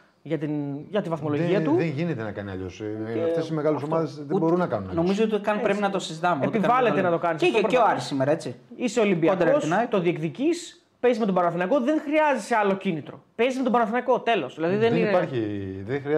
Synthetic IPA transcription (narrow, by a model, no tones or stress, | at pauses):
ʝɐt̪inʝɐt̪ivɐθmo̞loʝʝiɐt̪uðenʝinet̪enɐkɐniɐ̰ʎo̰sft̪esime̞ɣɐlusomɐðezðebo̞ɾunɐkɐnunno̞mizoot̪ikɐnpɾepinɐt̪o̞sizit̪ɐmeeopivɐle̞t̪enɐt̪o̞kɐnisɐpɾeoɐɾisːimeɾɐe̞t͡siiseo̞limbiɐokd̪eɾosnɐjt̪oðie̞kðicis | pe̞izme̞t̪obɐɾθinɐko̞ðe̞ŋxɾiɐziseɐlo̞cinit̪ɾo̞̰pe̞zme̞t̪o̞bɐɾnθnɐko̞t̪e̞lo̞sðilɐðiðeniiɐɾçiðexɾi